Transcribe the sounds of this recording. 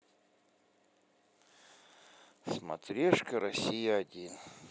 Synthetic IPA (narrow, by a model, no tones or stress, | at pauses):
smɐ̰t̪ɾʲeʂkəɾɐsʲijəɐdʲin